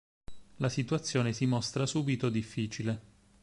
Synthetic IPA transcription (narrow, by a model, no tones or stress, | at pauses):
lasit̪uat̪sːjoːnesimost̪ɾasuːbit̪od̪ifːiːt͡ʃile